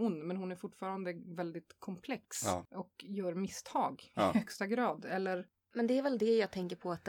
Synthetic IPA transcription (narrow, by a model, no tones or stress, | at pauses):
ʊnːmɛnhʊnæɾfʊʈːfɑːɾand̪əvɛld̪ɪt̪kʰɔmpʰlɛksɔkjœːɾmɪst̪ʰɑːɡɪhœkst̪aɡɾɑːd̪ɛlːəɾ | mɛnd̪ɛæɾvɛld̪ɛjɑːɡ̚t̪ʰɛŋkəɾpʰɔat̪̚